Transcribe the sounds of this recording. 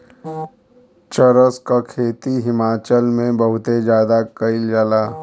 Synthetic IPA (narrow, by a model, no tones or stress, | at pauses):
t͡ʃəɾəskakʰeːt̪iɦɪmaːt͡ʃəlmẽbəɦʊt̪ed͡ʒjaːd̪akəɪld͡ʒaːlaː